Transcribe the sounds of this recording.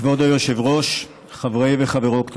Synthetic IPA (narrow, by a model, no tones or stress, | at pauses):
vod̪ojoʃevʁoʃ | χavʁejveχaveʁokt̪